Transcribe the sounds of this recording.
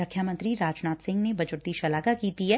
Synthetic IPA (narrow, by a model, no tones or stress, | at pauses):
ɐkʰːjamə̃nt̪ɾiɾaːd͡ʒnaːt̪sɪ̃ŋɡnebɐd͡ʒʊɾt̪iʃɐlaːɡakiːt̪iɦɛː